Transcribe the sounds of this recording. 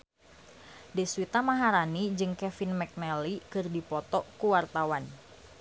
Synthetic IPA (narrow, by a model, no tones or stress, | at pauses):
dɛswit̪amaɦaɾanid͡ʒɨŋkɛfinmɛk̚nɛlikɨrdipɔt̪ɔkuwart̪awan